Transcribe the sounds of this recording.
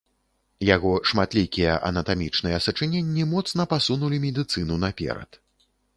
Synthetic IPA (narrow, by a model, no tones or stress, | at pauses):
jaɣɔʂmat̪lʲikʲijɐ̰ʔɐ̰nɐt̪amʲit͡ʂn̪ɨjɛsɐt͡ʂɨnʲenʲːimɔt̪sn̪ɐpasunulʲimʲɛd̪ɨt̪sɨnunapʲɛ̰ɾɐ̰t̪